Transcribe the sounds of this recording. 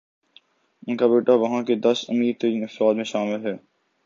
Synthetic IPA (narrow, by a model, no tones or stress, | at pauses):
ɪnkabeːʈaʋɐɦãked̪ɐsʊ̰miːɾt̪ɐɾĩːnɐfɾaːd̪mẽʃaːmɪlɦɛː